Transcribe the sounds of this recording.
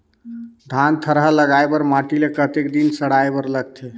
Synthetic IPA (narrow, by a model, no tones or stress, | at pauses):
d̪ʱant̪ʰəɾɦələɡaebəɾmaʈilekət̪ekd̪insəɽaebəɾləɡ̚t̪ʰe